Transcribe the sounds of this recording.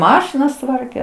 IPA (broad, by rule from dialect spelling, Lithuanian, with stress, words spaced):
ˈmɑːʃʲɪnɐs ˈtʋɐrʲkʲɛ